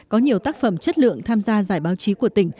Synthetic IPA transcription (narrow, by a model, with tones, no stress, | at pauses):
kɔ˨˦ɲi˨˩əwt̪aː˦˥k̚fə˧˩mt͡ɕə˦˥t̚lɨ̰˧˨əŋt̪ʰaː˧mzaː˧zaː˧˩jɓaː˨˦wt͡ɕi˨˦ku˧˩ət̪ï˧˩ŋ̟